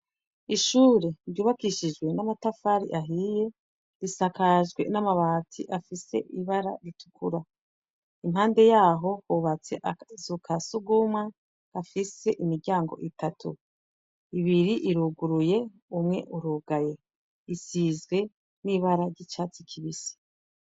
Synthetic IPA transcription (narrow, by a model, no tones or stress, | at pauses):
iʃuːɾe̞ɾɟuːβakiʃid͡ʒɡwe̞namatafaːɾḭʔaɦije̞ | ɾisakaʒɡwe̞̰namaβaːtḭʔafise̞̰ʔiβaɾa̰ɾitʰu̥kuɾa | imhaːnde̞jaːɦo̞huβat͡se̞ʔazukʰasuɡumwa | afise̞ʔimiɾɟaːŋɡo̞̰ʔitatʰṵ | iβiɾiʔiɾuɡuɾuje̞ | umŋe̞̰ʔuɾuɡaje̞ | isizɡwe̞ | niβaɾaɾɟit͡ʃaːt͡sikʰiβisi̥